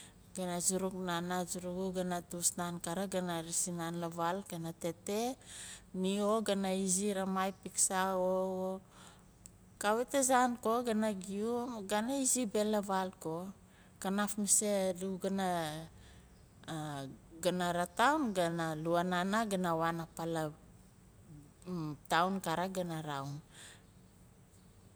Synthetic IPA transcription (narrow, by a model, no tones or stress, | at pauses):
ɡ̥anazuɾuknanad͡ʒuɾuɡuɡanatusnankaɾaɡanaɾisinanlavalɡ̥anate̞te | nioɡanaiziɾamajpiksao | kawetezankoɡanaɡiumɡanaizibe̞lavalko | kanafmiseluɡana | ɡanaɾatawnɡanaluananaɡanawanapala | tawnkaɾaɡanaɾawn